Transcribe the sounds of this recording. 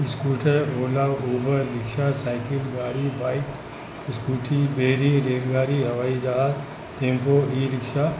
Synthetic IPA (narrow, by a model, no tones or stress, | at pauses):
ɪskuːʈʰəoːlaːwuːbʱəɾɪkʃasaːɪkɪlɡaːɾibaːɪk | ɪskuːʈʰibeːɾiɾeːlɡaːɾiɦɐʋaːid͡ʒaaz | ʈẽːmpoiːɾɪkʃa